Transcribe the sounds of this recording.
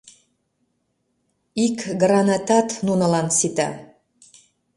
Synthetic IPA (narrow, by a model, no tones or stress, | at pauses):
ikɡrɑnɑt̪ɑt̪nunəlɑnsit̪ɑ̰